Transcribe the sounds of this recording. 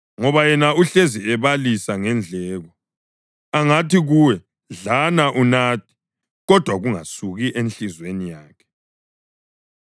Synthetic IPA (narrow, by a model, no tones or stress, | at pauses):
ŋɔβajɛnauɬeziɛβalisaŋɛnd͡ɮʱɛːɣɔ | aŋatiɣuwɛ | ɮanaʔunaːt̚ʰi̥ | ɣɔd̥ʱwaɣuŋasuɣiʔenɬizwenijaːkʰɛ̥